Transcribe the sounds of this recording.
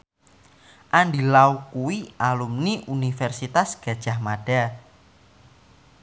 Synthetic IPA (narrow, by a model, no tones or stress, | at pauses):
ʔaɳɖilaukuwialumniʔunifɛrsit̪asɡ̥a̤d̥ʒ̥a̤hmaɖ̥a